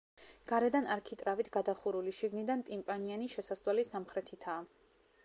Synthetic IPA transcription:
ɡ̥aɾɛd̪anaɾkʰit̪ʼɾavit̪ʰɡ̥ad̪aχuɾuliʃiɡnid̪ant̪ʼimpʼanianiʃɛsast̪ʼwalisamχɾɛt̪ʰit̪ʰaː

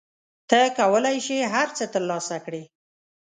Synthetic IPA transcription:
t̪əkawəlajʃeɦaɾt͡sət̪əɾlɑsakɽi

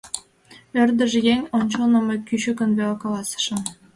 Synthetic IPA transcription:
ørd̪ə̆ʒjeŋʲonʲt͡ɕolnə̆mekʲyɕykə̆nbekɑlɑsə̥ʃɤ̆m

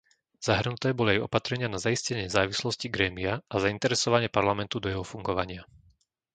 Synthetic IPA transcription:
z̥aɦr̩nut̪ɛːbɔliajɔ̰pat̪ɾɛɲɪanazaiscɛɲɪzaːʋislɔsciɡɾɛːmiaʔazaint̪ɛɾɛsɔʋaɲɪɛpaɾlamɛnt̪ud̪ɔjɛɦɔfuŋɡɔʋaɲɪa

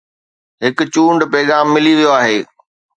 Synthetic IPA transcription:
ɦɪkʊt͡ɕuːɳɖpɛːɠaːmːɪliʋijoaːɦeː

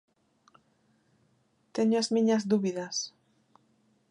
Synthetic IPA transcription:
t̪eɲoazmĩɲɐzðuβiðɐs

